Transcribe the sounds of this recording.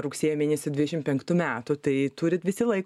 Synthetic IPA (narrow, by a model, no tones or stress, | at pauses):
ɾʊksʲeɛjoːmʲeːnʲɛsʲɪdʲʋʲɪd̪ʲɛʃʲɪmpʲɛŋkt̪umʲæːt̪ʊt̪ɐɪt̪uːɾʲɪt̪ʋʲɪsʲɪlˠɐɪk